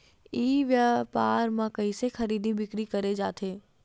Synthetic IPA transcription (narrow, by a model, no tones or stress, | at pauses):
iːʋjapaːɾmãkɐĩsexɐɾiːd̪ʱibɪkɾikɐɾed͡ʒaːt̪ʰeː